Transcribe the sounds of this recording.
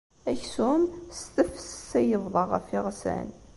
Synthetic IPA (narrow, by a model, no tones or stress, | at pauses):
æçsumst̪əfsə̥sæjəvðˤəʁə̰fiʁsæ̰n